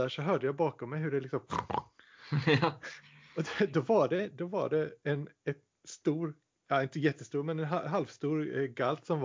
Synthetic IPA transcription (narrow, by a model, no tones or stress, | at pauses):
æːʂɔɦœːɖəjɑbɑːkɔmːɛjɦɵɖɛlɪksɔm | ɔd̪d̪ɔvɑɖɛd̪ɔvɑ̰ɖɛɛnɛt̪ | st̪uːɾ | jɑɪnt̪əjɛt̪ːəst̪uːɾmɛnɛnɦaɦalvst̪uːɾɡalt̪sɔmv